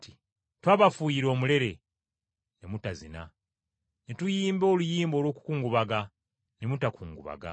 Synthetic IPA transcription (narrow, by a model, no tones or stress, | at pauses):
ti | twaːβafujiɾo̞ːmule̞ɾe̞ | nemutazina̰ | netujiːmbo̞ːlujiːmboːlwo̞ːku̥kuːŋɡuβaɡa | nemutakuːŋɡuβa̰ɡa̰